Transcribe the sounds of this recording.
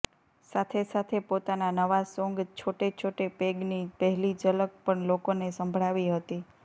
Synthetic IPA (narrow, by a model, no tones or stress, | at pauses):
sat̪ʰesat̪ʰepot̪ananəʋasõŋɡt͡ʃʰoʈet͡ʃʰoʈepeɡnipəɦɛlid͡ʒələk̚pəɳlokonesəmbʱɭaʋiɦət̪i